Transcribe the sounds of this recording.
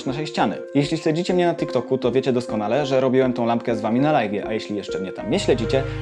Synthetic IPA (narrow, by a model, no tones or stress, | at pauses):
naʂɛjɕt͡ɕanɘ̰jeɕlʲiɕlɛd͡ʑit͡ɕɛmɲɛnat̪ikt̪ɔkut̪ɔvʲet͡ɕɛd̪ɔskɔnalɛʐɛɾɔbʲiwɛmt̪ɔ̃wlamp̚kɛzvamʲinalajɡʲjɛʔajeɕlʲijɛʂt͡ʂɛmɲɛt̪amɲɛɕlʲɛd͡ʑit͡ɕɛ